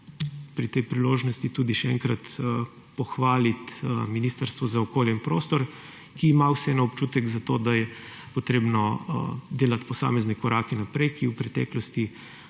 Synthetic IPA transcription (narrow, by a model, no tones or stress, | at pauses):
pɾit̪ɛjpɾiloːʒnɔst̪it̪uːd̪iʃɛɛ̰ŋkɾat̪ | pɔxʋaːlit̪miniːst̪əɾst̪ʋɔzaɔkoːljɛinpɾoːst̪ɔɾ | kiːmawsɛɛnɔpt͡ʃut̪ɛɡzat̪od̪ajɛ | pɔt̪ɾeːbnɔd̪eːlat̪pɔsa̰ːmɛznɛkɔɾaːkɛnapɾɛjkiwpɾɛt̪ɛ̰ːklɔst̪i